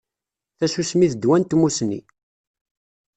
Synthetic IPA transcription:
θæsusmiθəd̪wænt̪musnːḭ

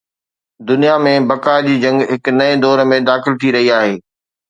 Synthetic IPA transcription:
d̪ʊnijamẽbɐkad͡ʑiːd͡ʑɐ̃ŋɡɦɪknɐed̪ɔːɾmẽd̪aːxɪlt̪ʰiɾɐɦiaːɦeː

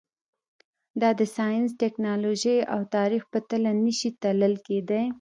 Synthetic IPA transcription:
d̪ɑd̪əsɑjəns̬ʈɛknɑloʒəja̰wt̪ɑɾixpət̪əlanəʃit̪aləlked̪a

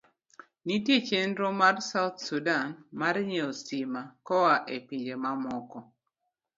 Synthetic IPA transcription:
nitjet͡ʃendɾomarsaʊt̪̚sudanmaɾɲeosimakɔwaʔepiɲd͡ʒemamɔkɔ

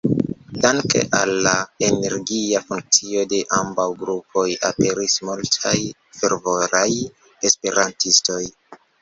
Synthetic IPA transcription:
daŋke̞̰ʔalːaene̞ɾɡiafuŋk̚t͡sio̞de̞ʔambawɡɾupʰo̞ja̰pe̞ɾismultʰaj | fe̞ɾvo̞ɾaj | e̞spe̞ɾantisto̞j

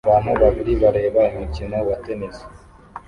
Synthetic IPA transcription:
βaːnuβaβiɾiβaɾe̞ːβaimicino̞βateneze̥

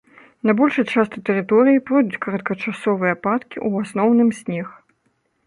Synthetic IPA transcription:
nɐbɔlʲʂɐt͡ʂast̪ɨt̪ɛɾɨt̪ɔɾɨjipɾɔd̪ʲut͡sʲkɐɾɐt̪̚kɐt͡ʂasɔvɨjɐpat̪kʲiʔuasnɔwnɨmsʲnʲɛx

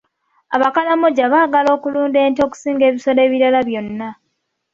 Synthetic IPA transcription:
aβakalamoɟaβaːɡalo̞ːkuluːnde̞ːnto̞ku̥siːŋɡe̞ːβiso̞le̞ːβiɾalaβjo̞nːa

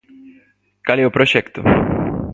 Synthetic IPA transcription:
kaliopɾoʃɛkt̪u

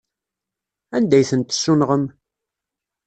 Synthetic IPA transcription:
ænd̪æjθənt̪sːunʁəm

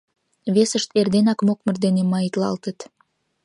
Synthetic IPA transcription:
βesəʃt̪erd̪enɑkmok̚mə̆rd̪enemɑjət̪lɑ̰lt̪ət̪

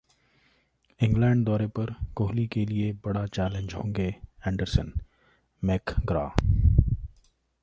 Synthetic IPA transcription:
ɪ̃ŋɡlɛ̃ːɳɖd̪ɔːɾepɐɾkoːɦlikeliebɐɽat͡ʃɛːlẽɲd͡ʒɦõ̰ːŋɡeːɛ̃ːɳɖəɾsən | meːkɡɾa̰ː

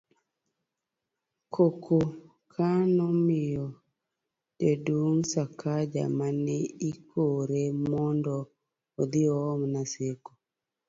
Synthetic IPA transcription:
kʰokʰo | kʰanɔmɪjɔ | teduŋsakʰad͡ʒa̰manɛikʰoɾemɔndɔː | d̪ɪɔːmnaseko̥

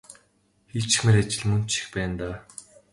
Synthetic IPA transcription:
xit͡ɕɪ̥̆xmeɾat͡ɕɪ̆ɮmɵn̥t͡ɕĭ̥xpæːnt̪aː

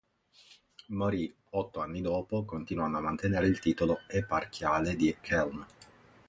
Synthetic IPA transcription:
moɾi | ɔt̪ːoanːid̪ɔːpokont̪inwanːoamːant̪eneːɾeilt̪iːt̪oloepark̟ʰjaːled̪ikʰɛlm

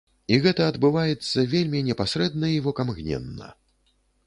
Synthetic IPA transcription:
iɣɛt̪ɐːd̪bɨvajɛt̪sːɐvʲelʲmʲinʲɛpasɾɛd̪̚nɐivɔkamɣnʲɛ̰nːɐ̰

